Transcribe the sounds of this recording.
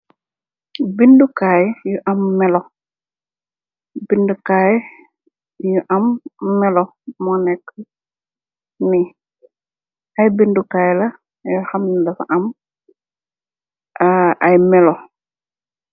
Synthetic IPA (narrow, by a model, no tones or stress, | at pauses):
bindukaːjjuʔɐmːɛlɔ | bindukaːj | juʔɐmːɛlɔ | mɔnɛkː | ni | ɐjbindukaːjlɐ | juxɐmnilɐfa̰ʔɐm | ʔɐjmɛlɔ